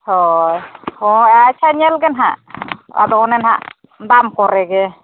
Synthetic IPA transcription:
hɔjhɔjat͡ʃʰaɲɛlɡɛnɦa̰ʔa̰d̪ɔɔnɛnha̰ʔ | d̪amkɔɾɛɡɛ

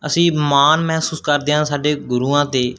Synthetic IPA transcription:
əsĩːmaːnmɛɦsuːskəɾd̪eːɦãːsaːɖeːɡʊɾuːãːt̪eː

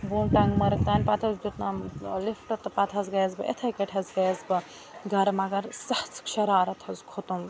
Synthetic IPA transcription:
buːnʈɐŋɡmɐɾk̚t̪aːnʲpɐt̪ʰɐzd͡ʒut̪nalifʈɐt̪ːɐpɐt̪ʰɐzɡɐjɐzbɨḛt̪ʰɐjkɐʈʰɐzɡɐjɐzbɐ | ɡɐɾmɐɡɐɾsɐht͡sʰkʃɐɾaːɾɐt̪ʰɐzkʰot̪um

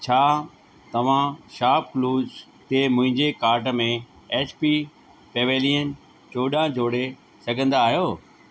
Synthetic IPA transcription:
t͡ɕʰaː | t̪ɐʋ̤ãʃaːp̚kluːd͡ʑ | t̪emʊ̃ɦɪ̃ɲd͡ʑekaːɾʈ̬ə̆mẽ | eːt͡ɕpi | peːʋeːliːən | t͡ɕoːɗãd͡ʑʱoːɽe | sɐɡʱə̃nd̪aːɦjoː

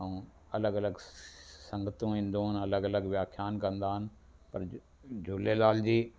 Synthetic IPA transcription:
ə̃ũː | ɐləɡɐləɡsə̃ŋɡət̪ũĩːnd̪õːɦənɐləɡɐləɡʋjaːkʰjaːnkɐ̃nd̪aːɦən | pɐɾ | d͡ʒʊːlelaːld͡ʑiː

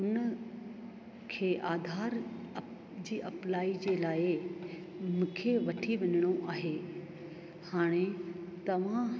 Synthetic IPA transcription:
ʊn | kʰeːʔaːd̪ʱaːɾ | d͡ʑiːʔɐplaːid͡ʑeːlaːɪ | mũːkʰeʋɐʈʰiʋɐɲɪɽ̃oʔaːɦe | haːɽ̃et̪ɐʋ̤ã

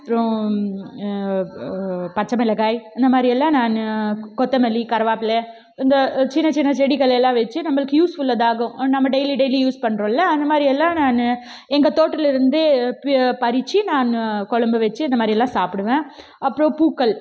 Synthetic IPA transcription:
ɐpːɯɾõ | pɐt͡ʃːɐmɐɛlɐɡaːjɪnd̪ɐmaːd̪ɾiɛlːãːnaːnkɔt̪ːɐmɛlikɐɾʋaːpɪlɛ | ɪnd̪ɐt͡ʃɪnːɐt͡ʃɪnːɐt͡ʃɛɽikɐlɐjɛlːãːʋɛt͡ʃːɯnɐmːɐɭɯkːɯjuːsfʊlːɐðaːɣɐ̃nɐmːɐɖɛjliɖɐɪlijuːspɐɳːɾõlːɐɐnd̪ɐmaːd̪ɾiɛlːãːnaːn | ɛŋɡɐt̪oːʈːɪlɪɾɯnd̪ɯppɐɾɪt͡ʃːɯnaːnkɔɭɐmbɯʋɛt͡ʃːɯɐnd̪ɐmaːd̪ɾɪɛlːãːsaːpɪɽɯʋẽː | ɐpːɯɾõpuːkːɐl

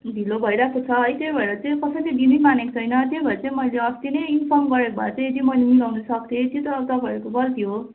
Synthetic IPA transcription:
b̪ʱilobʱʌjɾakʰot͡sʰʌʌjt̪jejbʱʌeɾʌt͡saĩkʌsʌt͡sĩdinimanekot͡sʰʌjnʌt̪jejbʱʌeɾt͡saĩmʌjleʌst̪inʌjinpʰʌrmɡʌɾekobʱa̰t͡sʌ̃j̃ed̪imʌjlemilawnʌsʌk̚d̪ʰet̪jot̪ʌʌbt̪ʌbʱʌekobʌlt̪ʰijo

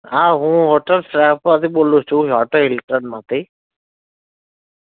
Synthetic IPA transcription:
aːɦũːɦoːʈəlsɾaːpat̪iɓoːloːt͡ʃʰũɦɔːʈəɪlɪʈɾənmãt̪ʰiː

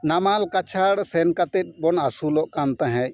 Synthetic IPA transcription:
namalkat͡ʃʰaɽsɛnkat̪ɛt̪̚ˀbɔnasulɔʔkant̪ãɦɛ̃j

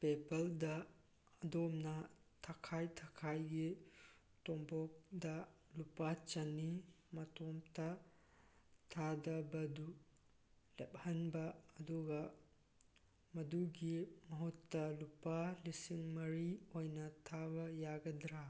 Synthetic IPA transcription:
pepɐldɐː | domnɐ | tʰakʰajtʰakʰajɡi | tɔmbɔk̚dɐ | lupat͡ʃɐni | mɐtɔmtʰɐ | tʰadɐbɐdu | lep̚hɐnbɐːduɡɐ | mɐduɡimɐɦutːɐlupalisiŋmɐɾiojnɐtʰabɐjaɡɐdɾa

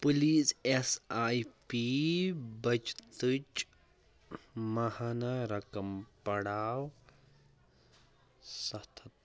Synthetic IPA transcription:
puliːsesaːjpi | bɐt͡ʃt̪ɨt͡ʃ | mɐhanaɾɐkɐmpɐɽaːw | sɐt̪ʰɐt̪̚

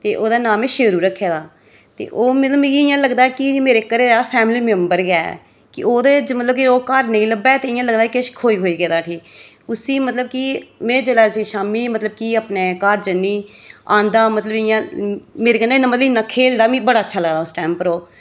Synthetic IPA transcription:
t̪eːʔoːd̪aːnaːmẽːʃeːɾuːɾəkʰːeːd̪aː | t̪ḛːʔoːmət̪ləbĩɪjãːləɡd̪aːɛkɪmeːɾeːkəɾeːdaːpʰɛːmliːmɛmbəɾɡɛ̰ː | kɪʔoːd̪eːd͡ʒmət̪ləbkioːkəɾnəĩːləbɛːt̪eːɪjãːləɡd̪akɪʃkʰoːiːɦoːiːɡeːd̪aːʈʰiː | ʊsĩːmət̪ləb̚kɪmɛ̃ːd͡ʒəlaːsiːʃaːmiːmət̪ləb̚kiaːpneːkəɾd͡ʒənːiː | ãːnd̪aːmət̪ləbɪjãːmeːɾeːkəneːnãmət̪ləbiːnaːkʰeːld̪aːmĩːbəɽaːətːʃʰaːləɡd̪aːʊsʈɛːmpəɾoː

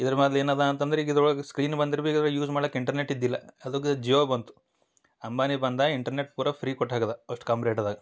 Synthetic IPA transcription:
id̪ɐɾɐmɐd̪leːnad̪aːnt̪ɐnd̪ɐɾeiɡid̪ɾoɭskɾiːnbɐnd̪iɾɐbeːɡid̪ɭjuːd͡ʒmaːɽɐkːiɳʈɐɾneʈːid̪ːilːɐɐd̪uɡid͡ʒioːbɐnt̪u̥ | ɐmbaːnibɐnd̪aːiɳʈɐɾneʈ̚puːɾɐpʰɾiːkɔʈːɦaːɡɐd̪ɐɐʂʈu̥kaːmpiɾeːʈad̪aːɡɐ

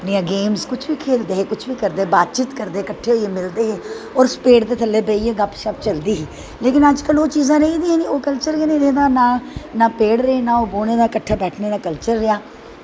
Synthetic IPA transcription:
əpniːãːɡeːmzkʊt͡ʃʰʋiːkʰeːld̪eːɦeːkʊt͡ʃʰʋiːkəɾd̪eːbaːd̪t͡ʃɪt̪kəɾd̪eːkəʈʰːeːoeːmɪld̪eːɦeː | ɔːɾspeːɽd̪eːt̪ʰəlːeːbeijãːɡəpʃəp̚t͡ʃəld̪iːɦiː | leːkɪnəd͡ʒkəloːt͡ʃiːzãːɾəiːd̪iɛ̃ːniːoːkəlt͡ʃəɾenẽːɾeːd̪aːnaːnaːpeːɽɾəeːnãːoːboːneːd̪aːkəʈʰːaːbɛːʈʰneːnãːkəlt͡ʃəɾːɪjaː

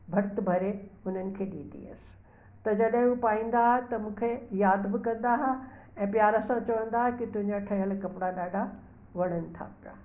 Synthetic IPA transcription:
bʱɐɾt̪ɪbʱɐɾeʊn̤ənɪ̆kʰeːɗĩːd̪ḭɐ̰sɪ̥̆ | t̪ɐd͡ʑɐɗɦɪ̃upaːĩːnd̪aɦet̪ɐmũːkʰejaːd̪bɪkɐ̃nd̪aɦa | ɛ̃ːpjaːɾəsãt͡ɕɐʋə̃nd̪aːɦekɪt̪ʊɦɪ̃ɲd͡ʑaʈʰɐɦəlkɐpɪɽaɗaːɖʱa | ʋɐɽ̤̃ənɪ̆t̪ʰa̰ːpa̰

